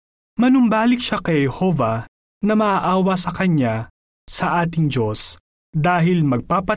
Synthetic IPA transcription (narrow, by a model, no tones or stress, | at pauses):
mɐnʊmbaːlɪk̚ʃakɐjhɛhovɐ | nɐmɐʔaʔaːwɐsɐkɐɲa | sɐʔaːt̪̬ɪŋd͡ʒo̞s | d̪aːɦɪlmɐɡ̚paːpɐ